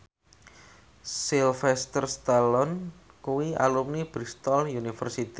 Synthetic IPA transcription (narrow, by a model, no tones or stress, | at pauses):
silfɛst̪ərst̪alɔnkuwia̰lumnib̥ɾist̪ɔljunifərsit̪i